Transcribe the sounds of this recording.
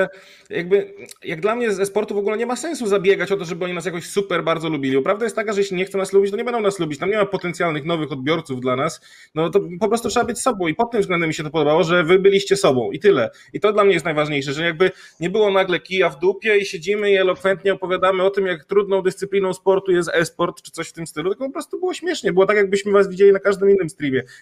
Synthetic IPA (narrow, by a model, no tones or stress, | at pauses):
jaɡ̚bɘjaɡ̚d̪lamɲɛzɛspɔɾt̪uvɔɡulɛɲɛmasɛnsuzabʲjɛɡat͡ɕɔt̪̬ɔʐɛbɘɔɲinasjakɔɕsupɛɾbaɾd̪zɔlubʲilibɔpɾavd̪ajɛst̪t̪ːakaʐɛjɛɕlʲiɲɛxt̪sɛnaslubʲit͡ɕt̪ɔɲɛbɛnd̪ɔ̃w̃naslubʲit͡ɕt̪amɲɛmapɔt̪ɛnt̪sʲjalnɘxnɔvɘxɔd̪̚bʲjɔɾt̪suvd̪lanas | nɔt̪ɔpɔpɾɔst̪utʂɛbabɘt͡ɕʲsɔbɔ̃w̃ipɔt̪ːɘmvzɡlɛnd̪ɛmʲːiɕɛt̪̬ɔpɔd̪ɔbawɔʐɛvɘbɘlʲiɕt͡ɕɛsɔbɔ̃w̃ʔit̪ɘlɛ | it̪ɔd̪lamɲɛjɛst̪najvaʐɲejʂɛʐɛjaɡ̚bɘɲɛbɘwɔnaɡlɛkʲijavd̪upʲjɛiɕed͡ʑimɘiɛlɔkfɛnt̪ɲɛɔpɔvʲjad̪amɘɔt̪ɘmjakt̪ɾud̪nɔ̃w̃d̪ɛst̪sɘplʲinɔ̃w̃spɔɾt̪ujɛst̪ɛspɔɾt̪t͡ʂɘ̥t̪sɔɕft̪ɘmst̪ɘlut̪lkɔpɔpɾɔst̪ubɘɨwɔɕmʲjɛʂɲɛbɘwɔt̪akjaɡ̚bɘɕmɘvasvʲid͡ʑelʲinakaʐd̪ɘminːɘmst̪ɾʲimʲjɛ